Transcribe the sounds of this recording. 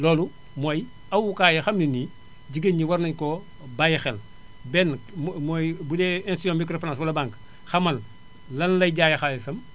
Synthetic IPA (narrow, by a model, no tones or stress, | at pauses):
lɔːlu | moj | ɐwukaːjɐxɐmnini | ɟiɡeɲiwɐɾnɐɲkɔ | bajxɛl | bɛnmoːjbudɛɛnsijɔ̃ːmmikɾoflãːsbɐlɐbaŋk | xɐmɐl | lɐnlɐjɟaːjɐxalesɐm